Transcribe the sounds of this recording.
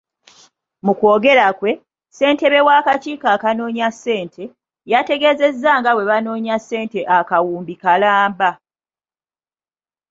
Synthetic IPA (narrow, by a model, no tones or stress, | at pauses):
muko̞ːɡe̞ɾakwe̞ | se̞ːnte̞βe̞wakat͡ʃiːkaːkano̞ːɲasːe̞ːntʰe̞ | jate̞ɡe̞ːze̞zːaŋɡawe̞βano̞ːɲasːe̞ːnte̞ʔakawuːmbikalaːmba